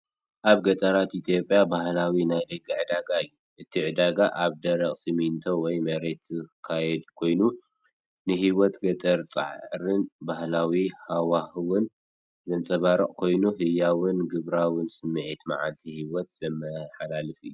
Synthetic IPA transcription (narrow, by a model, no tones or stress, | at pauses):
ʔaβɡɐt̪ʼɐɾat̪it̪ʰjo̞pʼːjabahlawinajd̪ɐɡiʕɨd̪aɡaɨjːuʔɨt̪ʰiʕɨd̪aɡaʔaβd̪ɐɾɐχʼsɨmint̪ʰowɔjmɐɾet̪zɨkʰajɛd̪kʰo̞jnu | nɨɦiwɔt̪ɡɐt̪ʼɐɾt͡sʼa̰ʕɾɨnbahlawihawahɨwʊn | zɐnt͡sʼɐβaɾɨχʼkʰo̞jnuɦɨjːawɨnɡɨβɾawɨnsɨmːɨʕit̪ma̰ʕa̰lt̪ʰihiwɔt̪z̥ɐmɐħalalɨfḭjːu